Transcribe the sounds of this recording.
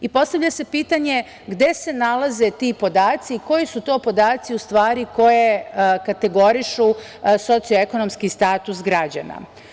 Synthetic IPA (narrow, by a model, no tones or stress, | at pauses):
ipo̞st̪aʋʎase̞piːt̪aɲe̞ | ɡd̪e̞se̞nalˠaze̞t̪iːpo̞d̪aːt̪siːko̞jisut̪o̞ːpo̞d̪aːt̪siust̪ʋaːɾiko̞je̞kat̪e̞ɡo̞ɾiʃu | so̞t̪sioeko̞no̞mskist̪aːt̪usɡɾad͡ʑa̰na̰